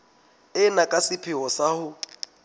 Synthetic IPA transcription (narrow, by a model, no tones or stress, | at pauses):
ɪnakʼasɪpʰɪwɔsahʊ